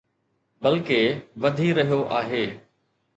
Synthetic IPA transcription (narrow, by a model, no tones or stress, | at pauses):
bɐlkeʋɐd̪ʱiɾɐɦijoʔaːɦeː